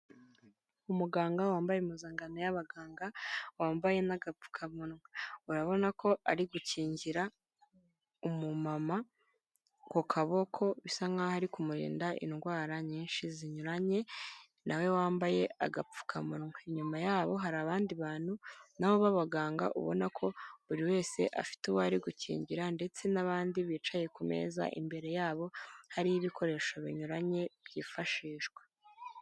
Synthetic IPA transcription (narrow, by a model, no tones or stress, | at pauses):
umuɡaːŋɡawaːmbajemuzaːŋɡanojaβaɡaːŋɡawaːmbaje̞naɡap͡fu̥kʰamunŋeuɾaβo̞nakʰo̞aɾiɡuciːɲɟiɾa | umumama | ko̞kʰaβo̞kʰo̞βisaŋɡahaɾikumuɾḭːndaʔḭnɡwaːɾaɲiːnʃiziɲuɾaɲe̞ | nʔawe̞waːmbaje̞a̰ɡap͡fu̥kʰamuŋeɲumajaːβo̞ɦaɾaβaːndiβaːn̥hunawoβaβaɡaːŋɡa̰ʔṵβo̞̰nakʰo̞βuɾiwe̞ːse̞̰ʔa̰fi̥tuwoaɾiɡucḭːɲɟiɾande̞t͡se̞naβaːndiβiːt͡ʃaje̞kume̞̰ːza̰ʔḭmbe̞ɾe̞jaːβo̞haɾijiβikʰo̞ɾe̞ʃaβḭɲuɾaɲe̞βjḭːfaʃiːʃɡ̥wḁ